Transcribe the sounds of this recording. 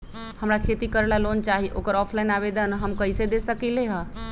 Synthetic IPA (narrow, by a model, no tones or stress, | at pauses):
həmɾakʰet̪ikəɾlalont͡ʃaɦiʔo̰kəɾɔpʰlainaβed̪ənɦəmkəised̪esəkileɦə̃